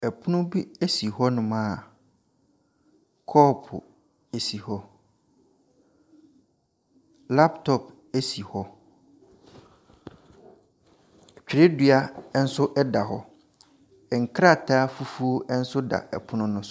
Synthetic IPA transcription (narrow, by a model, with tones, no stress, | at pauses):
ɛ˨pʰʊ˦nʊ̃˦bi˦e˦si˨ɦɔ˦nʊ̃˨mã˦˨ | kʰɔː˦pʰʊ̰˨ | e˨si˨hɔ˦ | la˦ptʰɔ˨p̚ | e˦si˨hɔ˦˨ | t͡ɕᶣi˨ɾe˦dɥa˦n̩˦sʊ˦ʔɛ˦da˨hɔ˦ | ɛ˨ŋ̩˨kʰɾa˦˨tʰaː˦fu˦fu˦o˦ɛ˦n̩˦sʊ˦da̰˨ɛ̰˨pʰʊ˦nʊ̃˦nʊ̃˦sʊ˦